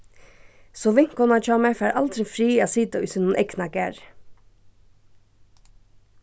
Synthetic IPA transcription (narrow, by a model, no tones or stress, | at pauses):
soːʋɪŋkɔnɑːt͡ʃɑːmɛfæːɾʔɑld̪ɾɪfɾiːɑːsiːd̪oʔʉsənuːnʔɛknɑɡæɾ